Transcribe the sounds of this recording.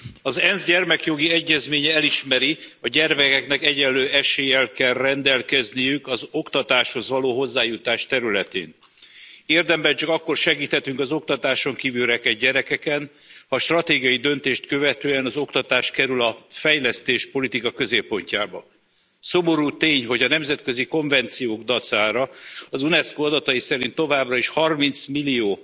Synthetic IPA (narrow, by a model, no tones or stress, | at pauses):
ɒzɛnzɟɛrmɛkjo̞ɡiɛɟːɛzmeːɲɛɛliʃmɛɾiɒɟɛrmɛkɛknɛkɛɟɛlːøːɛʃeːjɛlkɛlrɛnd̪ɛlkɛznijykɒzo̞kt̪ɒt̪aːʃho̞zʋɒloːɦo̞zːaːjut̪aːʃt̪ɛɾylɛt̪ḛːn | eːrd̪ɛmbɛt͡ʃɒkɒkːo̞rʃɛɡiːt̪hɛt̪yŋkɒzo̞kt̪ɒt̪aːʃo̞ŋkiːvylɾɛkɛɟɟɛɾɛkɛkɛn | hɒʃt̪rɒt̪eːɡijɒjid̪ø̞nt̪eːʃt̪kø̞vɛt̪øːɛnɒzo̞kt̪ɒt̪aːʃkɛɾylɒfɛjlɛst̪eːʃpo̞lit̪ikɒkø̞zeːpːo̞ɲcaːbɒ̰ | so̞mo̞ɾuːt̪eːɲɦo̞ɟɒnɛmzɛt̪kø̞ziko̞ɱvɛnt̪sijoːɡd̪ɒt̪saːɾɒɒzunɛskoːɒd̪ɒt̪ɒjisɛɾint̪ːo̞vaːbrɒiʃhɒrmint̪smilːijoː